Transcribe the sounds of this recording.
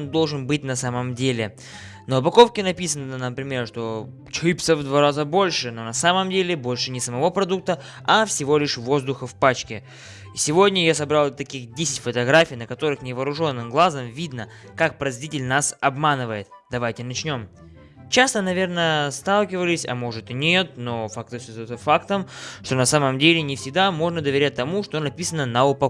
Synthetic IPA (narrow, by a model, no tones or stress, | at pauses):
nd̪o̞lˠʐɨnbɨt̚ʲnɐsaməmdʲelʲɪ | nəʊpɐko̞fkʲɪnɐpʲisənəənəpɾʲɪmʲe̞rʂt̪o̞ | t͡ɕɾɨpt̪səvd̪vaɾazəbo̞lʲʂɨno̞nɐsaməmdʲelʲɪbo̞lʲʂɨnʲɪsəmɐvo̞pɾɐd̪uk̚t̪ə | ɐfsʲɪvo̞lʲɪʂvo̞zd̪ʊxəfpat͡ɕkʲɪ | isʲɪvo̞dʲnʲəjasɐbɾalˠt̪ɐkʲixdʲesʲɪ̥tʲfət̪ɐɡɾafʲijnəkɐt̪o̞ɾɨxnʲɪvəːɾʊʐo̞nːɨmɡlˠazəmvʲid̪nəkak̚pɾɐzʲvʲitʲɪlʲnasɐbmanɨvəjɪt̪d̪ɐvajtʲɪnɐt͡ɕnʲo̞m | t͡ɕast̪ənɐvʲe̞rnəst̪alˠkʲɪvəlʲɪsʲɐ̰mo̞ʐɨt̪ɨnʲet̪̚no̞fakt̪ɨsʲozt̪əfakt̪əmʂt̪o̞nɐsaməmdʲelʲɪnʲɪfsʲɪɡ̚d̪amo̞ʐnəd̪əvʲɪɾʲæt̚ʲt̪ːɐmuʂt̪o̞nɐpʲisənənɐʊpɐ